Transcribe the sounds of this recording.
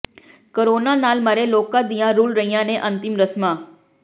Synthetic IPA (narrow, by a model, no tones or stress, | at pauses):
koɾoːnanaːlmaɾeloːkãd̪ijãɾuːlɾəɦijãnẽʔə̃nt̪ɪmɾəsmãː